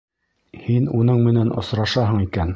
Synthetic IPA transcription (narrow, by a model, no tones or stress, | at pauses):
hinunɤɴmɘ̆nænʔŏsɾɑʃɑɦɤɴikæn